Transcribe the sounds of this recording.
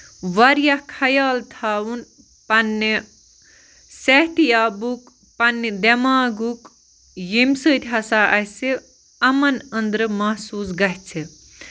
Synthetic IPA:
ʋɐɾjɐhkʰɐjaːlt̪ʰaːwun | pɐnːi | sehʈijaːbuk | pɐnːid̪emaːɡuk | jimsət̪ʲɐsaʔɐɦse | ɐmɐnənd̪ɾɨmɐɦsuːsɡɐɦt͡sʰe

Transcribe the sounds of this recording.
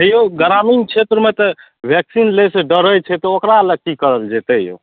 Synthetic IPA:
ɦəjoɡəɾamint͡ʃʰet̪ɾəmet̪ɔ | bʱɛksinleseɖəɾət͡ʃʰɛt̪ɔokɾaləɡ̚kikəɾəld͡ʒet̪əjo̰

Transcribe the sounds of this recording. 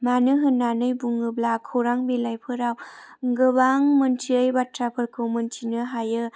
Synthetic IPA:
manɯɦɯnːanɯjbuŋɯblakʰoɾaŋbelajpʰɯɾawŋɡɯbaŋmɯntʰiəjbatɾapʰɯɾkʰomɯntʰinɯɦajɯ

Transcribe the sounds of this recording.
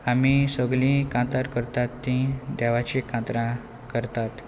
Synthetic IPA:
amisəɡlĩkãt̪aɾkəɾt̪at̪ːĩd̪ɛʋat͡ɕikãt̪ɾã | kəɾt̪at̪

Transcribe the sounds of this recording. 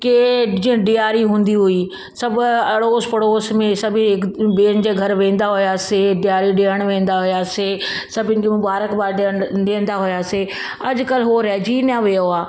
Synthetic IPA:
ked͡ʑĩɖɪjaːɾiɦũːnd̪iɦʊiː | sɐbɐɽoːspɐɽoːsmẽsɐbʱĩɪkbeːnd͡ʑeːɡʱɐɾʋẽːn̆d̪aːɦʊjaːseɖɪjaːɾiɖeːəɽ̃ʋẽːn̆d̪aɦʊjaːse | sɐbɪnɪkemʊbaːɾəkbaːɾɖeɳɗẽːnd̪aːɦʊjaːse | ɐd͡ʒkəlɦoɾɛːd͡ʒiːnaʋejoaː

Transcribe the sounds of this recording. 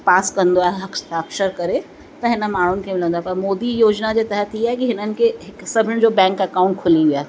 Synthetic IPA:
paːskɐ̃nd̪oaːɦeɦɐkʃt̪ʰaːkʃəɾkɐɾe | t̪ɐɦɪnə̆maːɳ̤ʊnɪ̆kʰemɪlə̃nd̪oaɦepɐɾmoːd̪ijoːd͡ʑnad͡ʑeːt̪ɐɦət̪ʰiaːɦekiɦɪnənɪ̆kʰeɦɪksɐbʱɪñɪ̃d͡ʑoːbɛ̃ːŋkɐkãːʊ̃ɳʈkʰʊliʋiaːɦe

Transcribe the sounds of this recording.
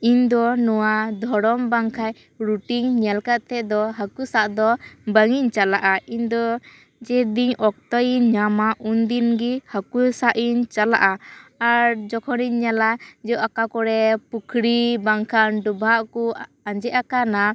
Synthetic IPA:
iɲd̪ɔnɔwad̪ʱɔɾɔmbaŋkʰaj | ɾuʈiŋɲɛlkat̪ɛʔd̪ɔɦakusaʔd̪ɔbəŋiɲt͡ʃalaʔaʔind̪ɔ | d͡ʒɛd̪iɲɔk̚t̪ɔjiɲɲamaʔund̪inɡihakusaʔiɲt͡ʃala̰ʔaaɾd͡ʒɔkʰɔniɲːalad͡ʒɛʔakakɔɽɛpukʰɾibaŋkʰanɖubʱaʔku | aɲd͡ʒɛʔakana

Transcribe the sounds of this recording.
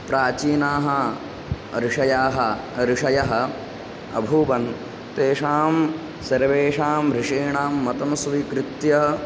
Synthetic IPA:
pɾaːt͡ʃiːnaːɦɐ | ɾɪʂɐjaːɦɐ | ɾɪʂɐjɐɦɐ̆ | ɐ̰bʱubɐn | t̪eːʂaːm | sɐɾʋeːʂaːmɾɪʂeːɳaːmːɐt̪ɐmsʋikɾɪt̪jɐɦɐ

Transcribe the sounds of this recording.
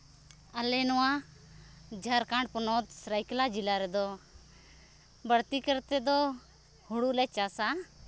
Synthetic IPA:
əlɛnɔwã | d͡ʒʱaɾkãːɳɖ̚pɔnɔt̪sɾajklad͡ʒilaɾɛd̪ɔ | bəɽt̪ikəɾt̪ɛd̪ɔ | huɽulɛt͡ʃasa

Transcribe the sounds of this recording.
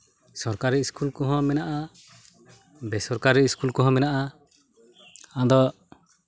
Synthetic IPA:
sɔɾkaɾɛiskulkɔɦɔ̃mɛnaʔa | bɛsɔɾkaɾɛiskulkɔɦɔ̃mɛnaʔa | ãd̪ɔ

